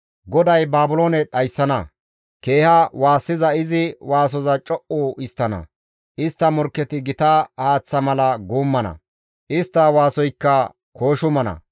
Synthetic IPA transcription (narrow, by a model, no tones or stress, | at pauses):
ɡɔd̪ɐjbaːbʊloːnɛɗɐjsːɐnɐ | ke̞ːhɐwaːsːɪzɐɪzɪwaːs̬ɔzɐt͡ʃʼɔʔuʔɪst̪ːɐnɐ̰ | ʔɪst̪ːɐmɔɾkːɛt̪ɪɡɪt̪ɐhaːt͡sːɐmɐlɐɡuːmːɐnɐ̰ | ʔɪst̪ːɐwaːsɔjkːɐ | ko̞ːʃʊmɐnɐ̰